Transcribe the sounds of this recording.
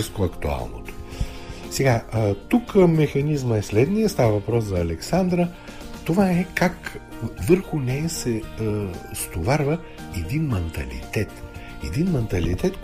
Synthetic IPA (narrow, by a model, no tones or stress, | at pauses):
iskʊɐkt̪ua̰lˠno̰t̪o̥ | sɛɡat̪ukːmɛxɐnizməɛslɛd̪nijəst̪avəvɐpɾɔszɐːlɛksand̪ɾə | t̪ovaɛkakvəɾxʊnɛəsɛ | st̪ovaɾvə | ɛd̪inmɛnt̪ɐ̰lḭt̪ɛt̪ | ɛd̪inmɛnt̪ɐlit̪ɛt̪